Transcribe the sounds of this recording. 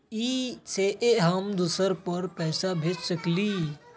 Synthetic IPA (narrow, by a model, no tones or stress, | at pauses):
iseʔeɦəmd̪usəɾpəɾpɛːsabʱeːt͡ʃsəkli